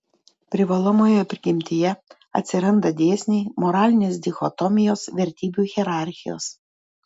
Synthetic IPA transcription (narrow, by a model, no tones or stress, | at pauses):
pʲɾʲɪʋɐlˠomoːjɛpʲɾʲɪɡʲɪmʲt̪ʲɪjɛ | ɐ̰t̪ʲsʲɪɾɐnd̪ɐd̪ʲeːsʲnʲɛːmoɾɑːlʲɪnʲeːs̬d̪ʲɪxɔt̪ɔmʲɪjoːsʋʲɛɾʲt̪ʲiːbʲuːˑɣʲɛɾɑˑɾʲxʲɪjo̰ːs